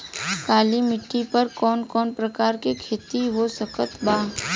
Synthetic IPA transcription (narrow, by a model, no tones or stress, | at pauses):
kaːlimɪʈːipɐɾkɔːnkɔːnpɾɐkaːɾkikʰeːt̪iʋosɐkət̪baː